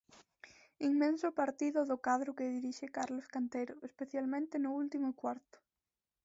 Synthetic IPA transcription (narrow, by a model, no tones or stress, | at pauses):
iŋmẽnsʊpaɾt̪iðʊðʊkaðɾʊkeðiɾiʃekaɾloskant̪ejɾʊʔespeθjalmẽnt̪ɪnʊult̪imʊkwaɾt̪ʊ̥